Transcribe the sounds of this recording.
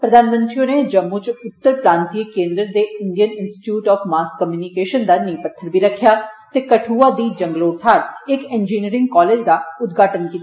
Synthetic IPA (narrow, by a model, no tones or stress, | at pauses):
pɾəd̪ʱaːnmə̃nt̪ɾijõned͡ʒəbmːut͡ʃʊt̪ːəɾpɾãːnt̪iəkẽːnd̪ɾəd̪eɪɳɖijənɪnsʈɪ̥ʈjuːʈɔːpmaːskkːəmjuːnikeːʃənd̪aniːpət̪ʰːəɾbʱiɾəkʰːjaːt̪eːkəʈʰuːad̪iːd͡ʒəŋɡəloːɾt̪ʰaːɾɪkend͡ʒiːniːɾɪ̃ŋɡkɔːleːd͡ʒd̪aʊd̪ɡʱaːʈənkit̪ː